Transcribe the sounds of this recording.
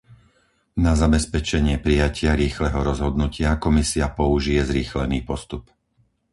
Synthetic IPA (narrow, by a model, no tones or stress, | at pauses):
nazabɛspɛt͡ʃɛɲɪɛpɾijacɪaɾiːxlɛɦɔɾɔzɦɔd̪nucɪakɔmisiapɔuʒijɛzɾiːxlɛniːpɔst̪up